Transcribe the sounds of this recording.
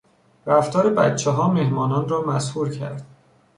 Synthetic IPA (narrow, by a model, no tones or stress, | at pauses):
ɾæft̪ʰɒːɾebæ̰t̪t͡ʃʰːeɦɒːmehmɒːnɒːnrɒːmæshuːɾcʰæ̰ɾd̪̥